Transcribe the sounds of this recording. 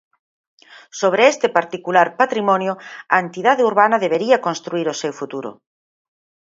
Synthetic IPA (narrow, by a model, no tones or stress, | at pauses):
soβ̞ɾeest̪epaɾt̪ikulaɾpat̪ɾimɔnjoɐent̪iðaðeuɾβanɐðeβ̞eɾiɐkonst̪ɾuiɾosewfut̪uɾo̰